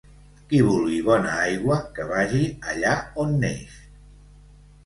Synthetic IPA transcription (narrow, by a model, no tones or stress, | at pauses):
kiβ̞ulˠɣiβɔnəajɣwəkəβ̞aʒiəʎaonːḛjs